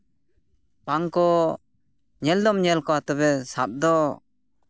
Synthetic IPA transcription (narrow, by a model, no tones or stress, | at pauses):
paŋkɔ | ɲɛld̪ɔmɲɛlkɔat̪ɔbɛsap̚d̪ɔ